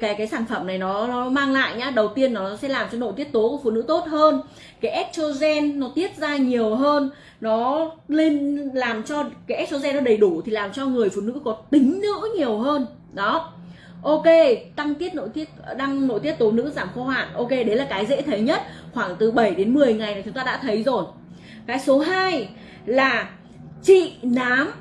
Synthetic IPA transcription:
kaː˨˦jkaː˨˦jsaː˧˩nfə˧˩mna˨˩jnɔ˨˦nɔ˨˦maː˧ŋla̰ː˧˨jɲaː˨˦ɗə˨˩wt̪i˧ənːɔ˨˦˨sɛ̰˧˥laː˨˩mt͡ɕɔ˧no̰˧˨jt̪i˦˥ət̚t̪o˨˦ku˧˩əfṵ˧˨˩nɨ̰˧˥t̪o˦˥t̚həː˧n | kaː˨˦jʔɛ˦˥t̚t͡ɕo˧zɛ˧nːɔ˨˦t̪i˦˥ət̚zaː˧ɲi˨˩əwɦəː˧nː | ɔ˨˦le˧nlaː˨˩mt͡ɕɔ˧kaː˨˦jʔɛ˦˥t̚t͡ɕo˧zɛ˧nːɔ˨˦ɗə˨˩jɗu˧˩t̪ʰi˨˩laː˨˩mt͡ɕɔ˧ŋɨ˨˩əjfṵ˧˨nɨ̰˧˥kɔ˨˦t̪ï˨˦ŋ̟nɨ̰˧˥ɲi˨˩əwɦəː˧n | ɗɔ˨˦ | ʔo˧ke˧t̪a˧ŋt̪i˦˥ət̚no̰˧˨jt̪i˦˥ət̚ːɗa˧ŋno̰˧˨jt̪i˦˥ət̚t̪o˨˦nɨ̰˧˥zaː˧˩mxo˧ha̰ː˧˨nʔo˧ke˧ɗə˨˦laː˨˩kaː˨˦jzḛ˧˥t̪ʰə˨˦jɲə˦˥t̚xwaː˧˩ŋt̪ɨ˨˩ɓə˧˩jɗe˨˦nmɨ˨˩əjŋa˨˩jnaː˨˩t͡ɕʊ˨˦ŋ͡mt̪aː˧ɗa̰ː˧˥t̪ʰə˨˦jzo˨˩j | kaː˨˦jso˨˦ɦaː˧j | laː˨˩ | t͡ɕḭ˧˨naː˨˦m

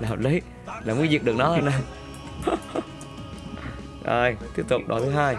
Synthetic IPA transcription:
aː˨˩ɦɔ̰˨˩p̚li˨˦j | laː˨˩mu˨˦jzi˨˩ək̚ɨ˨˩ək̚nɔ˨˦ə˧˩naː˧˩j | ʔə̰ː˧˩jt̪i˦˥əp̚t̪ʊ˨˩k͡p̚ɗo̰˨˦t̪ʰɨ˨˦ɦaː˧j

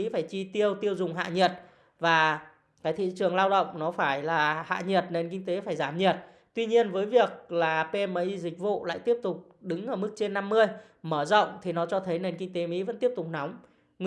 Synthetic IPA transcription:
ḭ˧˥faː˧˩jt͡ɕi˧t̪i˧əwt̪i˧əwzʊ˨˩ŋ͡mɦa̰ː˧˨ɲə˨˩t̚ | vaː˨˩ | kaː˨˦jt̪ʰḭ˧˨t͡ɕɨ˨˩əŋlaː˧wɗə̰˧˨wŋ͡mnɔ˨˦faː˧˩jlaː˨˩ha̰ː˧˨ɲi˨˩ət̚ne˧nki˧ŋ̟t̪e˨˦faː˧˩jzaː˧˩mɲi˨˩ət̚ | t̪wi˧ɲi˧ənvəː˨˦jvi˨˩ək̚laː˨˩pe˧mə˨˦ʔi˧zï˨˩k̟̚vṵ˧˨la̰ː˧˨jt̪i˦˥əp̚t̪ʊ˨˩k͡p̚ɗɨ˨˦ŋʔəː˧˩mɨ˦˥k̚t͡ɕe˧nːa˧mːɨ˧əj | məː˧˩zə̰˧˨wŋ͡mt̪ʰi˨˩nɔ˨˦t͡ɕɔ˧t̪ʰə˨˦jne˧nki˧ŋ̟t̪e˨˦mḭ˧˥və̰˧˥nt̪i˦˥əp̚t̪ʊ˨˩k͡p̚nɔ˨˦wŋ͡m

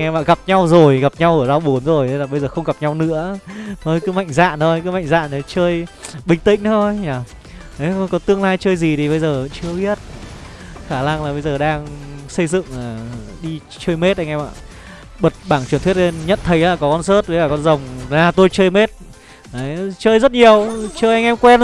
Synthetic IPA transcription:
ŋɛ˧jɓa̰ː˧˨ɣa˨˩p̚ɲa˧wzo˨˩jɣa˨˩p̚ɲa˧wʔəː˧˩za˧wɓu˨˦nzo˨˩jʰlaː˨˩ɓə˧jzəː˨˩xə˧wŋ͡mɣa˨˩p̚ɲa˧wnɨ̰˧˥ət̪ʰo˧jkɨ˨˦ma̰˧˨jŋ̟za̰ː˧˨nt̪ʰo˧jkɨ˨˦ma̰˧˨ŋza̰ː˧˨nə˨˦t͡ɕəː˧jɓï˨˩ŋ̟t̪ï˧˨ŋ̟ɗt̪ʰo˧jɲaː˨˩ | ə˨˦˧kɔ˨˦t̪ɨ˧əŋlaː˧jt͡ɕəː˧jzi˨˩t̪ʰi˨˩ɓə˧jzəː˨˩˧t͡ɕɨ˧əɓi˦˥ət̚ | xaː˧˩na˧ŋlaː˨˩ɓə˧jzəː˨˩ɗaː˧ŋsə˧jzɨ̰˧˨ŋaː˨˩ɗi˧ | t͡ɕəː˧jme˦˥t̚ʔa˧jŋʔɛ˧ma̰ː˧˨ | ɓə˨˩t̚ɓaː˧˩ŋt͡ɕt̪ʰwi˦˥ət̚e˧nɲə̰˧˨nt̪ʰə˨˦jaː˨˩kɔ˨˦kɔ˧nsəː˦˥t̚vlaː˨˩kɔ˧nzə˨˩wŋ͡maː˧˩t̪o˧jt͡ɕəː˧jme˦˥t̚ | ə˨˦jt͡ɕəː˧jzə˦˥t̚ɲi˨˩əwt͡ɕəː˧jʔa˧ŋʔɛ˧mkwɛ˧n

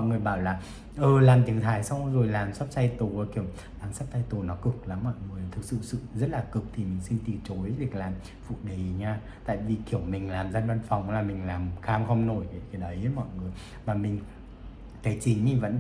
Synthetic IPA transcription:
ɔ̰˧˨jŋɨ˨˩əjɓaː˧˩wlaː˨˩ | ʔɨː˨˩laː˨˩mt̪i˨˦əŋt̪ʰaː˨˩˦jsa˧wŋ͡mzo˨˩jlaː˨˩msa˦˥p̚t͡ɕa˧jt̪o˨˩˨ki˧˩əw | aː˨˩˦msa˦˥p̚t̪a˧jt̪o˨˩nɔ˨˦kɨ˨˩k̚la˨˦mːɔ̰˧˨jŋɨ˨˩əjt̪ʰɨ˨˩k̚sɨ̰˧˨sɨ̰˧˨zə˦˥t̚laː˨˩kɨ˨˩k̚t̪ʰi˨˩mï˨˩ŋ̟si˧nt̪i˨˩t͡ɕo˨˦jvi˨˩ək̚laː˨˩m | fṵ˧˨ɗi˨˩ɲaː˧ | t̪a̰ː˧˨jvi˨˩ki˧˩əwmï˨˩ŋ̟laː˨˩mzaː˧nva˧nfa˨˩wŋ͡mlaː˨˩mï˨˩ŋ̟laː˨˩mxaː˧mxə˧wŋ͡mno˧˩jka˨˦kaː˨˦ɗə˨˦jmɔ̰˧˨jŋɨ˨˩əj | vaː˨˩mï˨˩ŋ̟ | kaː˨˦jt͡ɕï˨˦ŋi˨˩və̰˧˥n

